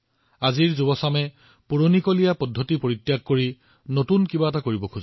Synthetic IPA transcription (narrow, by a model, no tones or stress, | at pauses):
aziɹzubɔsamɛ | puɹonikolijapɔdʱːotipoɹitːjaɡ̚koɹi | notunkibaɛtakoɹibɔkʰuz